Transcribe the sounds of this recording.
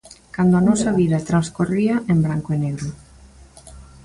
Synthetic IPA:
kand̪oanɔsaβiðat̪ɾanskoriaʔembɾaŋkoeneɣɾo

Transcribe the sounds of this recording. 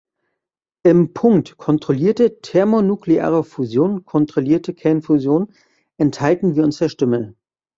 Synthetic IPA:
ʔɪmpʰʊŋktkʰɔntʁ̥oliːɐtətʰɛɐmonuklea̰ːʁəfuzjoːnkʰɔntʁ̥oliːɐtʰəkʰɛɐnfuzjoːn | ʔɛnthaltn̩viːɐʊnsd̥eːɐʃtɪmə

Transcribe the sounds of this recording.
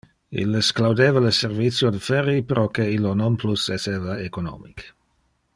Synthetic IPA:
ḭlesklawdeːvaləsɛrvitsjodəfɛɾipɾokeilːononpluseseːvaekono̰ːmik

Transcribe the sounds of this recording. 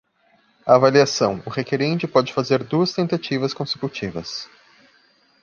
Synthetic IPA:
aːvaliasɐ̃w̃ʊhekeɾẽt͡ʃɪpɔd͡ʒɪfazeɾd̪uɐst̪ẽnt̪at͡ʃivɐskõse̥kut͡ʃivɐ̰s

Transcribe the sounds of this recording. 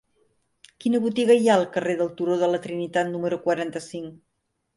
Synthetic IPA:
kinəβut̪iɣəiaəlˠkəreðəlˠt̪uɾoðələt̪ɾinit̪at̪numəɾukwəɾant̪əsiŋ

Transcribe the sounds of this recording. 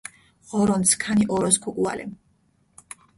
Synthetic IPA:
ʁɔɾɔnt̪sʰkʰaniʔɔɾɔskʰukʼua̰lɛ̰m

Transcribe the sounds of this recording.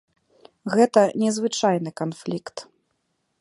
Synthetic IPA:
ɣɛt̪ɐnʲɛzvɨt͡ʂajnɨkanflʲikt̪

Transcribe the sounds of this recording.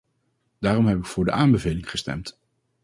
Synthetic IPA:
d̥aːrɔmɦɛpɪkfʊːɹdə̰ʔaːmbəveːjlɪŋχəstɛ̰mt

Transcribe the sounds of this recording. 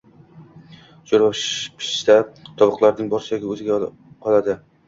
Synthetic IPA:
d͡ʒoɾapʰɪ̥ʃɪ̥ʃt̪at̪ʰɒbɨqlˠaɾnɪŋbɒɾsʰaɡʲɪɵzɪɡʲa | qʰɒlˠad̪ɪ

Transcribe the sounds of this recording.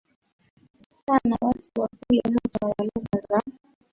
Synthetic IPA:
ssanawatʰuwakulnazawaluɣaza

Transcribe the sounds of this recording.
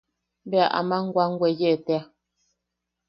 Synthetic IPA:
bɛaʔa̰maŋ̩ɡwaŋ̩ɡwɛjɛtɛa

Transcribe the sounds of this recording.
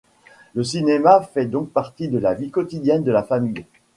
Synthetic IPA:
ləsinemafɛd̪ɔ̃k̚paʁt̪id̪əlavikɔt̪id̪jɛnd̪əlafamij

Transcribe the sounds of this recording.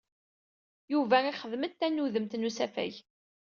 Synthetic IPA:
juvæiχəðmət̪ːænːuðəmt̪nusæfæ̰ʝ

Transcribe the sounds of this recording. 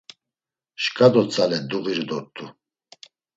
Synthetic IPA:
ʃkʼad̪ɔt͡sʼalɛd̪uɣiɾd̪ɔt̪ʼu

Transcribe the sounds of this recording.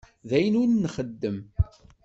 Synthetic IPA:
ðæjənʊɾnχəd̪ːəm

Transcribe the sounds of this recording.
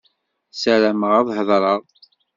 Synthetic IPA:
sæɾæməʁɑðˤhðˤɾˤɑðˤ

